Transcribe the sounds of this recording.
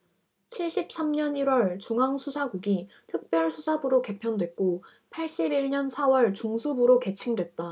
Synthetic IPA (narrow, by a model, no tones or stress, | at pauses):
t͡ɕʰiɭɕ͈ip̚s͈amɲʌniɾwʌɭt͡ɕuŋaŋsʰusʰaɡuɡi | tʰɯk̚p͈jʌɭsʰusʰabɯɾoke̞pʰjʌndwe̞k̚k͈o | pʰaɭɕ͈ibiɭɲʌnsʰawʌɭt͡ɕuŋsʰubɯɾoke̞t͡ɕʰiŋdwe̞t̚t͈a